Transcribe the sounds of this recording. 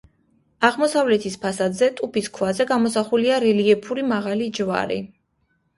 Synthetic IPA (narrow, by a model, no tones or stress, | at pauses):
aʁmɔsavlɛt̪ʰispʰasad̪zɛt̪ʼupʰiskʰwazɛɡamɔsaχuliaɾɛliɛpʰuɾimaʁalid͡ʒva̰ɾḭ